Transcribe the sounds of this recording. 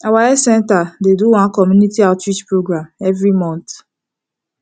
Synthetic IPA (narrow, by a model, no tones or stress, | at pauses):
awaɛsɛ̃ntadeduwãnkɔmjunitiaʊtwit͡ʃpɹoɡɹãmɛvɹimɔ̃nt